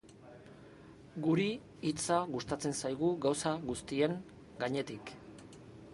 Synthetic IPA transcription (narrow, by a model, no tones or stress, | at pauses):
ɡuɾiː | t͡saɣust̪at͡se̞nsajɣuɣawsaɣust̪ie̞ŋ | ɡaɲe̞t̪ik